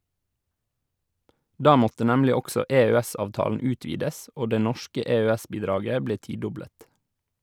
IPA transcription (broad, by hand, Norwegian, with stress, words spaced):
ˈdɑː ˈmɔtə ˈnɛmlɪ ˈɔɡsɔ eːøːˈɛsɑːʋˌtɑːlən ˈʉːtʋiːdəs ˈoː ˈdeː ˈnɔʃkə eːøːˈɛs ˈbiːdɾɑːɡə ˈbleː ˈtiːˌdɔbɽət